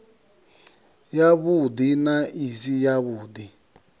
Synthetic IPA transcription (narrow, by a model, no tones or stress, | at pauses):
jaβudinaisijaβuːdi